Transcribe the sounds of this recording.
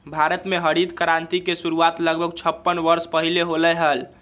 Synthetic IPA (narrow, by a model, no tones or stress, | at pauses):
bʱaɾət̪meɦəɾid̪kəɾant̪ikesuɾuat̪ləɡbʱəɡt͡ʃʰəpːənʋəɾspəɦileɦoləɦəl